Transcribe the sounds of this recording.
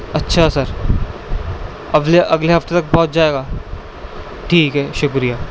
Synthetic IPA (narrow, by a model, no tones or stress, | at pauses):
ɐtːʃʰasɐɾ | ɐɡleʔɐɡleɦɐft̪et̪ɐk̚bɔːt̪̚d͡ʒaːeːɡaː | ʈʰiːkɦɛːʃʊkɾijaː